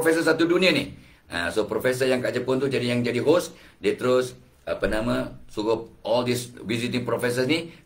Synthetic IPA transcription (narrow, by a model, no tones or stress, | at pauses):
fɛsəsat̪udunianɪ̰h | a̰sopɾofɛs̬əjaŋkad͡ʒəpʊnt̪ud͡ʒadijaŋd͡ʒadiɦost̪̚diat̪əɾʊs | ʔapənamasukʊp̚ɔldiswizit̪ɪŋpɾofɛs̬əsni